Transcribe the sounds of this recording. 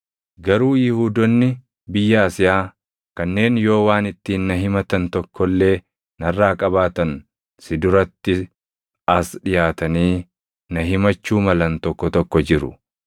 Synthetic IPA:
ɡɐɾuːjɪhuːd̪ɔnːɪ | bɪjːɐɐsɪjaː | kɐnːe̞ːnjo̞ːwaːnɪt̪ːiːnːɐɦɪmɐt̪ɐnt̪ɔkʰːɔlːe̞ː | nɐrːaːkʼɐbaːt̪ɐn | sɪd̪ʊɾɐt̪ːɪ | ɐsᶑɪjaːt̪ɐniː | nɐɦɪmɐt͡ʃːuːmɐlɐnt̪ɔkːɔt̪ɔkːɔd͡ʒɪɾʊ̰

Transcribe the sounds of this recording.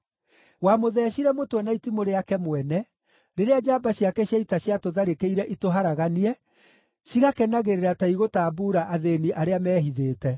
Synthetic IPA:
wamoðɛːɕiɾɛmotwɛnaitimoɾeakɛmwɛnɛ | ɾeɾead͡ʒabaɕiakɛɕjaitaɕjatoðaɾekeiɾɛʔitoɦaɾaɣaniɛ | ɕiɣakɛnaɣeɾeɾataiɣotaːbuːɾaʔaðeniʔaɾeamɛːɦiðeːtɛ

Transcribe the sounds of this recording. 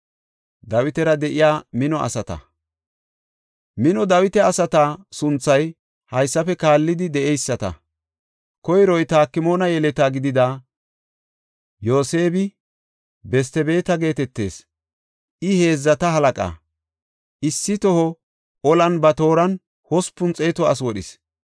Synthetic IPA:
d̪ɐwɪt̪ɛɾɐd̪ɛʔɪjaːmɪnɔʔɐ̰sɐt̪ɐ̰ | mɪnɔd̪ɐwɪt̪ɛɐsɐt̪aːsʊnt͡sːɐj | hɐjsːɐfɛkaːlːɪd̪ɪd̪ɛʔɛjsːɐt̪ɐ̰ | kɔjɾɔjt̪aːkːɪmo̞ːnɐjɛlɛt̪aːɡɪd̪ɪd̪aː | jo̞ːse̞ːbɪ | bɛs̬t̪ɛbe̞ːt̪ɐɡe̞ːt̪ɛt̪ːe̞̰ːs | ʔɪhe̞ːzːɐt̪ɐɦɐlɐkʼa̰ | ʔɪsːɪt̪ɔhɔ | ɔlɐnbɐt̪o̞ːɾɐn | hɔspːʊnt͡sʼeːt̪ɔɐs̬wɔɗɪs

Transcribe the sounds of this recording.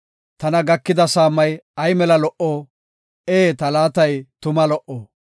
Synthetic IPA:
t̪ɐnɐɡɐkːɪd̪ɐsaːmːɐjɐjmɛlɐlɔʔoː | eːt̪ɐlaːt̪ɐjt̪ʊmɐlɔʔoː

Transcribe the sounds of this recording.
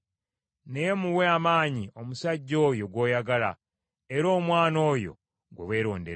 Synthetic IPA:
nejemuweamaːɲio̞musaɟːo̞ːjo̞ɡwo̞ːjaɡala̰ | eɾo̞ːmwaːno̞ːjo̞̰ | ɡwewe̞ːɾo̞̰ːndeɾ

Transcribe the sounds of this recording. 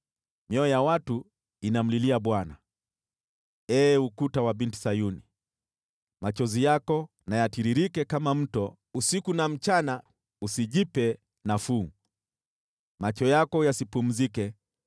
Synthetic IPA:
mjɔɔjawatu | inam̩liliaɓwana̰ | ɛːukutawaɓinti̥sajuni | mat͡ʃɔzijakɔ | najatiɾiɾikɛkamam̩tɔ | usikunam̩t͡ʃana | usiʄipɛ | nafuː | mat͡ʃɔjakɔjasipum̩zikɛ

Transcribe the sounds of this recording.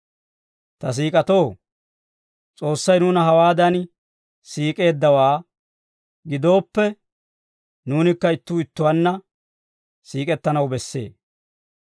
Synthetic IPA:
t̪ɐs̬iːkʼɐt̪o̞ː | t͡sʼo̞ːsːɐjnuːnɐɦɐwaːd̪ɐn | siːkʼe̞ːd̪ːɐwaː | ɡɪd̪o̞ːpːɛ | nuːnɪkːɐɪt̪ːuːɪt̪ːʊwɐnːɐ | siːkʼɛt̪ːɐnɐwbɛsːe̞̰ː

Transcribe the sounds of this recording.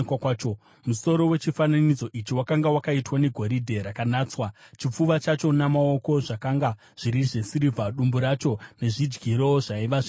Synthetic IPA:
kwakwaːt͡ʃo | muso̞ɾo̞we̞t͡ʃifananid͡zo̞ʔit͡ʃiwakaŋɡawakaitwane̞ɡʱo̞ɾidʱe̞ɾakanaːt͡swat͡ʃip͡fuʋat͡ʃat͡ʃo̞namao̞ko̞ʐakaŋɡa | ʐ̥iɾiʐe̞siɾivʱaɗumbuɾat͡ʃo̞ne̞ʐid͡ʒɡiɾo̞ʐaiʋaʐi

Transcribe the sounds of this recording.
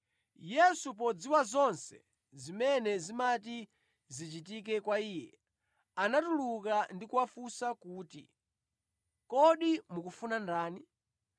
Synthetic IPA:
jɛsup̬ɔd͡ziwazɔnsɛ̰ | zimɛnɛzimati | zit͡ʃitik̬ɛkwaiːjɛ̰ | anatulukandikuwafusakuːtḭ | kɔɗimukufunandaːni

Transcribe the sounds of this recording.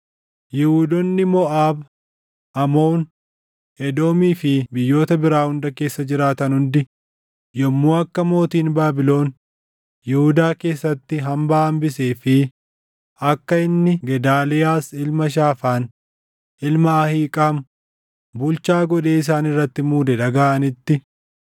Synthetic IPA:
jɪhud̪ɔnːɪmɔʔaːb | ʔɐmoːn | ʔɛd̪o̞ːmiːfɪbɪjːo̞ːt̪ɐbɪɾaːhʊnd̪ɐke̞ːsːɐd͡ʒɪɾaːt̪ɐnhʊnd̪ɪ | jɔmːuːɐkːɐmo̞ːt̪iːnbaːbɪlo̞ːn | jɛhʊd̪aːke̞ːsːɐt̪ːɪɦɐmbaɐmbɪse̞ːfɪ | ɐkːɐɪnːɪɡɛd̪aːlɪjaːsɪlmɐʃ̬aːfaːn | ɪlmɐɐhiːkʼɐm | bʊlt͡ʃaːɡɔᶑe̞ːɪs̬aːnɪrːɐt̪ːɪmuːd̪ɛᶑɐɡaʔɐnɪt̪ːɪ

